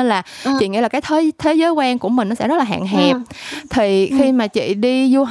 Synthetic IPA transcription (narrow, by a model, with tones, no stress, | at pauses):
nlaː˨˩t͡ɕḭ˧˨ŋḭ˧˥laː˨˩kaː˨˦jt̪ʰeː˨˦t̪ʰe˨˦jzəː˨˦jkwaː˧ŋku˧˩əmi̟˨˩nɔ˨˦sɛ̰˧˥zə˦˥t̚laː˨˩ɦa̰ː˧˨ŋɦɛ˨˩p̚t̪ʰi˨˩xi˧maː˨˩t͡ɕḭ˧˨ɗi˧zu˧